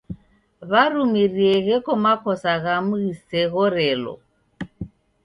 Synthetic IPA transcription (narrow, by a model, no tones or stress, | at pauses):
βarumirieɣɛkʼɔmakʰɔsaɣamuɣiseɣɔrɛːlɔ̰